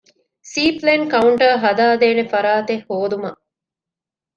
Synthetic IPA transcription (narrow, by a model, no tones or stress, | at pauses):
siːplenkɐuɳʈɐːɦɐd̪aːd̪eːnefɐɾaːt̪ehːoːd̪umɐ